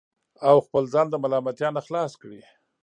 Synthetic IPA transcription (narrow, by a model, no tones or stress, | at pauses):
awxpəlzɑnd̪əmalɑmat̪jɑnaxlɑskɽi